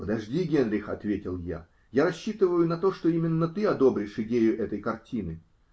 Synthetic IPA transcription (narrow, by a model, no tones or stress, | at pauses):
pəd̪ɐʐdʲiɡʲenɾʲɪxɐt̪vʲetʲɪlˠja̰ | jaɾɐɕːit̪ɨvəjʊnɐt̪o̞ʂt̪o̞imʲɪnːət̪ɨɐd̪o̞bɾʲɪʂɪdʲejʊʔɛt̪əjkɐrtʲinɨ